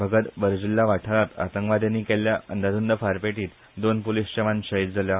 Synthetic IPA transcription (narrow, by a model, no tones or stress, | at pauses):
bʱəɡət̪ʋəɾd͡ʑilːaʋaʈʰaɭat̪a̰t̪əŋkʋad̪jãnːiːkɛljaənd̪ad̪und̪əfaɾpeʈiːt̪ | d̪onpolist͡ɕəʋãnɕəɦit̪̚d͡zalja